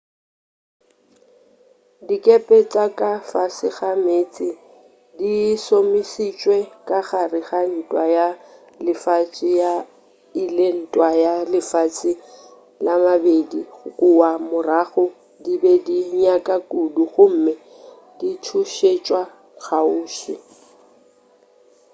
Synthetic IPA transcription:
dikʼepʼet͡sʼakʼafasɪɣameːt͡sʼɪ | disomisit͡ʃʼwɛkʼaɣarɪɣan̩tʼwaja | lɪfat͡ʃʼɪja | ilen̩tʼwajalɪfat͡sʰʼɪ | lamabediɣʊkʼʊwamʊraχʊ | dibɛdiɲakʼakʼuduχʊm̩mɪ | ditʰuʃet͡ʃʼwa | k͡xʰauːʃɪ

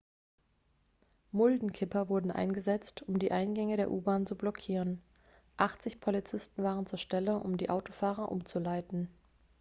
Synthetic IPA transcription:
mʊldn̩kʰɪpɐvʊɐdn̩ʔa̰ɪnɡəzɛt͡stʰʊmdiːʔaɪnɡɛŋəɾeːɐʔuːbaːnt͡sublɔkʰiːʁən | ʔaχt͡sɪçpʰolit͡sɪstn̩vaːʁ̞ənt͡suːɐʃtɛləʔʊ̰mdiːʔaʊtofaːʁɐʔʊ̰mt͡sulaɪtn̩

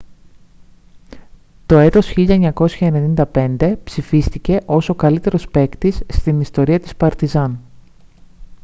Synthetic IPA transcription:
t̪o̞e̞t̪o̞sçiʎɐeɲɐko̞sçɐe̞ne̞nind̪ɐpe̞nd̪e̞psifist̪ice̞ʔo̞sokɐlit̪e̞ɾo̞spe̞kt̪isːt̪inist̪o̞ɾiɐt̪i̥spɐɾt̪izɐn

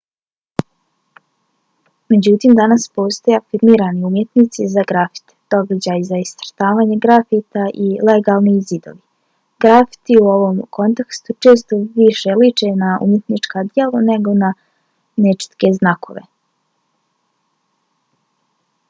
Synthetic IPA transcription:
me̞d͡ʑut̪iːmd̪anaspo̞ːst̪ojeafiɾmiːɾaniumje̞t̪nit̪sizaɡɾafi̥t̪d̪̥o̞ɡad͡ʑajzaist̪ɾt̪aːʋaːɲeɡɾafit̪aʔileɡaːlˠnizid̪o̰ʋi | ɡɾafi̥t̪iuo̞ʋo̞mkʰo̞nt̪ekst̪ut͡ʃe̞ːst̪o̞ʋiʃelit͡ʃenaʔṵmje̞t̪nit͡ʂkad̪jelone̞ɡo̞na | net͡ʃi̥t̪ke̞znako̞̰ʋḛ

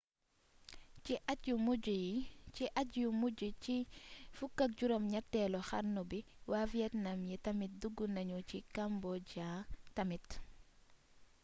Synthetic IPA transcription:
ciʔatjumuɟjit͡ʃiʔɐtjumuɟut͡ʃifukːɐk̚ɟuɾɔmɲɐtːɛlɔxɐ̰ɾnubiwafjɛtnɐmjɛtɐmit̚duɡːunɐɲucikambɔɟatɐmit

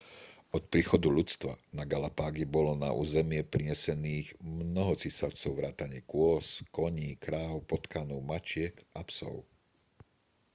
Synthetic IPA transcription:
ʔɔt̪̚pɾiːxɔd̪uʎut͡st̪ʋa̰naɡalapaːɡibɔlɔna̰ʔṵːzɛmɪɛpɾiɲɛsɛniːɣmnɔɦɔt͡sisaʊt͡sɔʊʋɾaːt̪aɲɪɛkʊɔskɔɲiːkɾaːʊpɔt̪kanuʊmat͡ʃɪɛkʔapsɔ̰ʊ

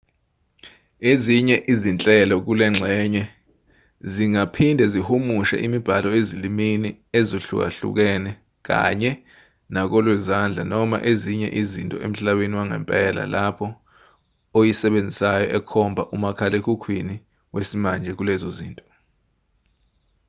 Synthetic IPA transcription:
eziɲɛʔizint͡ɬʼɛlɔk̬ulɛŋ͡ǁʱɛɲɛ | ziŋapʰindʱɛzihumuʃɛ̰ʔimib̥ʱalɔezilimini | ezoɬṵk̬a̰ɬṵk̬ɛːnɛ | k̬a̰ɲɛ | nak̬ɔlwɛzand͡ɮʱa̰nɔma̰ʔeziɲɛ̰ʔizintʼɔʔem̩ɬaɓeniwaŋɛ̰mpʼɛla̰lapʰɔ | ojisɛɓend͡zʱisajɔ̰ʔɛkʰɔmbʱaʔumakʰalekʰukʰwini | wesimand͡ʒʱɛk̬ulɛzoziːntʼɔ̥

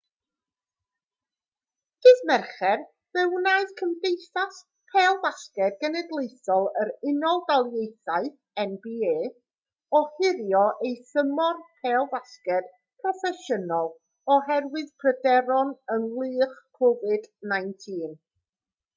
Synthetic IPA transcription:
hɨðmɛrχɛr | vɛwnaɨðkʰəmdejθas | pʰɛːlˠvaskɛd̚ɡɛnɛdlˠejθɔlˠəɾɪnɔlˠdalˠjejθaɨθ | ɛnbieː | ɔhɪɾjɔʔejθəmɔrpʰɛːlˠvaskɛd̥ | pʰrɔfɛsənɔlˠ | ɔɦɛrwɨðpʰrədɛɾɔnənlˠɨːχkʰɔvɨdnajntʰiːn

